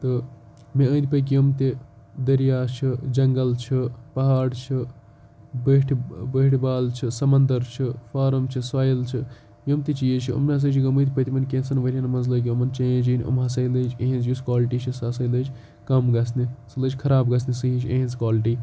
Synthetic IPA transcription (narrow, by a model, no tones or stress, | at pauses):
t̪ɨ | mẽə̃ːnd̪ipɐk̬jomt̪e | d̪ɐɾijaːt͡ʃʰid͡ʒɐŋɡɐlt͡ʃʰipɐɦaːɽt͡ʃʰi | bəʈʰbəʈʰbaːlt͡ʃʰisɐmɐnd̪ɐɾt͡ʃʰifaːɾɐmt͡ʃʰisʋaːjɐlt͡ʃʰi | jomt̪it͡ʃijet͡ʃʰio̰mʲɦɐs̬ɐt͡ʃʰiɡɐmɨ̃t̪ʲpəɐt̪imɐnkẽːnsɐnʋɐɾʲjanmɐzlɐːk̬ʲiomɐnt͡ʃɐẽd͡ʒinʲo̰mɦɐsɐiləd͡ʒeɦĩnzjuskwaːlʈit͡ʃʰisɐsɐjləd͡ʒ | kɐmɡɐsnisɨləd͡ʒʲkʰɐɾaːbɡɐsnisɨɦĩt͡ʃʰeɦĩnskwaːliʈi